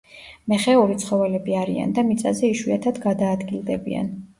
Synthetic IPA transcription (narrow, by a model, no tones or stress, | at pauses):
mɛχɛuɾit̪sʰχɔvɛlɛbiaɾia̰nd̪amit̪sʼazɛiʃwiat̪ʰad̪ɡad̪aːd̪ɡilˠd̪ɛbḭa̰n